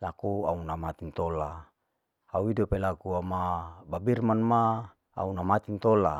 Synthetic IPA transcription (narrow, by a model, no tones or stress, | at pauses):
lakuaunamat̪int̪ola | auidopelakuamababirmanma | a̰unamat̪int̪ola